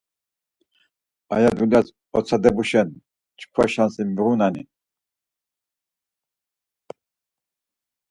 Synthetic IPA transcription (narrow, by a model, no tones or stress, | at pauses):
ajad̪ulat͡s | ɔt͡sʰad̪ɛbuʃɛn | t͡ʃʰkʰvaʃansimɾunanḭ